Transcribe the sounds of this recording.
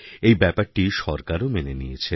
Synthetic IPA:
ejbɛpaɾʈiʃɔɾkaɾomenenijet͡ɕʰe

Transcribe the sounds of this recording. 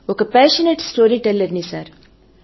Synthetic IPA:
ɔkɐpæːʃəneʈsʈoːɾiʈɛlːɐɾnisaːɾ

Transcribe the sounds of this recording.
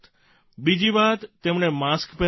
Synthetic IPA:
t̪ | bid͡ʒiʋat̪ːemɳ̃emaskpɛ

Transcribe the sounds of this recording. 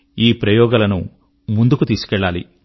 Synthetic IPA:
iːpɾɐjɔːɡalɐnṵ | mund̪ukut̪iːsu̥kɛɭːaːlḭ

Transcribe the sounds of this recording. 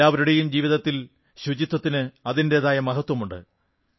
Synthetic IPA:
aːʋɐɾuɽejumd͡ʑiːʋiðɐt̪ːil | ɕud͡ʑit̪ːɐt̪ːinɨɐðinde̞ːðaːjɐmɐɦɐt̪wɐmuɳɖɨ̰

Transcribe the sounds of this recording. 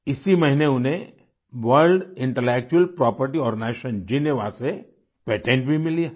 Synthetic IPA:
ɪsimɐɦineʊnẽ | ʋəɾɖɪ̃ɳʈəleːk̚t͡ʃuəlpɾɔːpəɾʈiɔːɾneːʃənd͡ʒineʋase | peːʈẽːɳʈ̚bʱimɪlijaː

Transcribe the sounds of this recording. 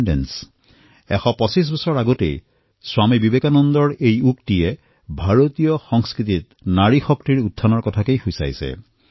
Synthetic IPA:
ndḛns | ɛxɔpɔsis̬bɔsɔɹaɡɔtḛj | swamibibekanɔnd̪ɔɹejuktie | bʱaɹot̪ijɔxɔŋskɹit̪it̪̚naɹixɔk̚tiɹud̪ʱːanɔɹkɔtʰakejxujsa̰jsḛ

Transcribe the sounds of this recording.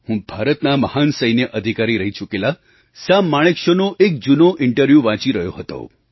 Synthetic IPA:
hũbʱaɾət̪naməhansəjnəʔəd̪ʱikaɾiɾəɦit͡ʃʰukela | samːaɭ̃ekʃonoʔek̚d͡ʒunoʔɪɳʈəɾʋjuʋãt͡ʃiɾəjoɦət̪o̰

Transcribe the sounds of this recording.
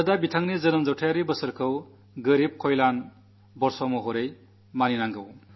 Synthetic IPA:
dabitʰaŋnizɯnɯmzawtʰajaɾibəsɯɾkʰɯw | ɡɯɾib̚kʰɔjlan | bɔɾsɔmuɦɔɾej | maninaŋɡɯw

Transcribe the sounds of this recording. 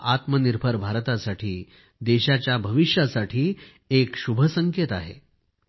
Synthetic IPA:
at̪məniɾbʱəɾbʱaɾt̪asaʈʰiː | d̪eɕat͡ɕjabʱəʋiɕjasaʈʰiː | ekɕubʱəsəŋket̪aɦḛ

